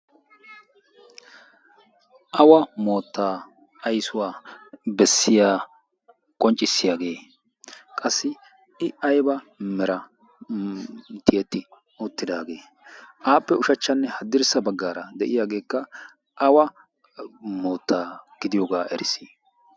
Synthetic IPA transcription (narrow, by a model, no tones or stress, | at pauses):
ʔɐwɐmo̞ːt̪ːaː | ɐjsʊwaːbɛsːɪjaː | kʼɔnt͡ʃʼɪsːɪjaːɡe̞ː | kʼɐsːɪ | ɪɐjbɐmɛɾɐ | t̪ʰɪjɛt̪ːɪ | ʊt̪ːɪd̪aːɡe̞ː | ʔaːpːɛʊʃɐt͡ʃːɐnːɛhɐd̪ːɪɾsɐbɐɡːaːɾɐd̪ɛʔɪjaːɡe̞ːkːɐ | ʔɐwɐ | mo̞ːt̪ːaːɡ̥ɪd̪ɪjoːɡaːʔɛɾɪsiː